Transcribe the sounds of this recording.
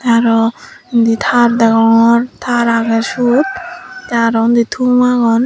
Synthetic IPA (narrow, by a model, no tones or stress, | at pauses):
t̪aɾɔind̪it̪ʰaɾd̪aɡɔŋɔɾt̪ʰaɾaɡɛsut̪̚t̪aɾɔnd̪it̪ʰumaɡɔn